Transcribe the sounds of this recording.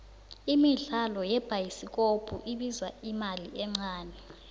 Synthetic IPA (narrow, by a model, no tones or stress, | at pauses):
imiɬalɔjɛb̥ʱajisik̬ʼob̥ʱṵʔiɓizwa̰imaliʔɛŋ͡ǀaːnɛ